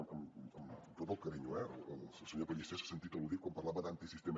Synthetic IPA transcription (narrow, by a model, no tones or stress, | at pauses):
məməmt̪ot̪əlˠkəɾiɲuɛələlsəlˠsəɲopəʎist̪esə̥sənt̪it̪əluðikwampɐɾlaβəd̪ant̪isist̪em